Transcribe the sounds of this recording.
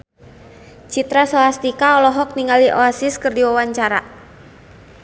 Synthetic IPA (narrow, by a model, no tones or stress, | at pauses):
t͡ʃit̪ɾasɔast̪ikaɔlɔɦɔk̚niŋaliʔɔasɪskɨrdiwawaɲt͡ʃaɾa̰